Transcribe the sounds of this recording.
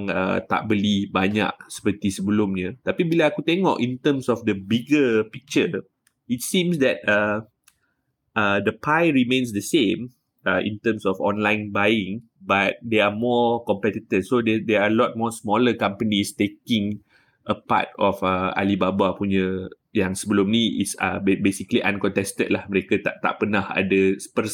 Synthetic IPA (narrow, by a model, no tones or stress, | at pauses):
ŋə̰t̪a̰ʔ̚bəlibaɲa̰ʔ̚sə̥pət̪isəbəlumɲət̪apibilaakut̪ɛŋɔ̰ʔĩnt̪əmsɔfdəbiɡəpik̚t͡ʃə | it̚sĩmsdɛt̚ə | ədəpʰajɹimẽnsdəsẽm | əʔḭ̃nt̪əmsɔfɔ̃nlãjnbajĩŋ | bat̚deamɔkɔmpɛt̪it̪ifsodɛdɛaəlɔt̚mɔsmɔləkãmpənist̪ekĩŋ | ʔəpa̰tɔfəa̰libabapuɲə | jãŋsəbəlumniḭsə̰bebesikliʔãnkɔ̃nt̪ɛstə̰t̚lahməɾekat̪aʔt̪a̰ʔpənaha̰dəspəs